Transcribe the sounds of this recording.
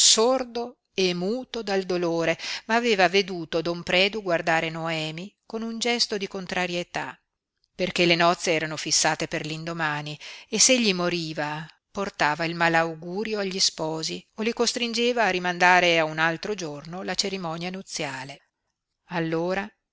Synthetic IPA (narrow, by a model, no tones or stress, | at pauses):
sord̪o | emuːt̪od̪ald̪oloːɾemaːveːvaved̪uːt̪od̪ompɾɛːd̪uɡward̪aːɾenoɛːmikonund͡ʒɛst̪od̪ikont̪ɾaɾjet̪a | perkelenɔt̪sːeɛːɾanofisːaːt̪eperlind̪omaːniesːeʎːimoɾiːva | port̪aːvailmalawɡuːɾjoaʎːispɔːziolikost̪ɾind͡ʒeːvaːrimand̪aːɾeaunalt̪ɾod͡ʒornolat͡ʃeɾimɔnjanut̪sːjaːle | alːoːɾa